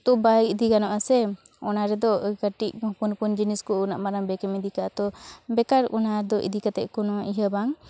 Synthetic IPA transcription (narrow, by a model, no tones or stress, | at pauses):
t̪ɔʔbaid̪ikanɔʔasɛ | ɔnaɾɛd̪ɔkəʈicpunpund͡ʒiniskɔuna̰ʔmaɾaŋbɛkɛmid̪ikaʔat̪ɔbɛkaɾɔnaɾd̪ɔʔḭd̪ikat̪ɛ̰ʔkɔnɔiɦəbaŋ